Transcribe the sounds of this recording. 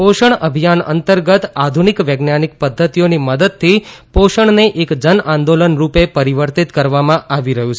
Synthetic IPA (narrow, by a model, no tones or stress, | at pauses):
poʃəɳəbʱijanə̰nt̪əɾɡət̪ad̪ʱunikʋeɡnanik̚pəd̪ʱːət̪ijoniməd̪əd̪̚t̪ʰːipoʃəɳneʔekd͡ʒənãnd̪olənɾupepəɾiʋəɾt̪it̪kəɾʋamãʔaʋiɾəɦũt͡ʃʰ